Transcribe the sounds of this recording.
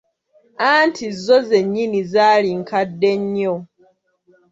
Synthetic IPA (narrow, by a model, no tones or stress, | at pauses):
antʰizːoze̞ɲːinizaːliŋkadːe̞ɲːo